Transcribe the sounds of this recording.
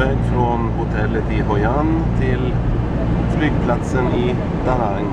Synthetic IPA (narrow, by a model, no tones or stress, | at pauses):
ɛɡfɾonhʊt̪ʰɛlːət̪iːɦɔʏɑnt̪ʰɪl | flyɡ̚pʰlɑt̪səniː | d̪̥ɑɾɑŋ